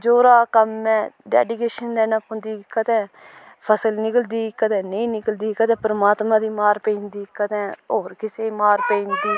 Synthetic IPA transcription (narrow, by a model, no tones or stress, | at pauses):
d͡ʒoːɾaːkəmːɛ̃ːɖɛ̰ːɖɪkeːʃənd̪ɛːnãːpʊnd̪iːɪkːət̪ɛ̃ː | pʰəsəlnɪkəld̪iːɪkːət̪ɛ̃ːnəĩːnɪkəld̪iːkət̪ɛ̃ːpəɾəmaːt̪mãːd̪iːmaːɾpẽind̪iːkːət̪ɛ̃ːoːɾkɪseːmaːɾpẽind̪iː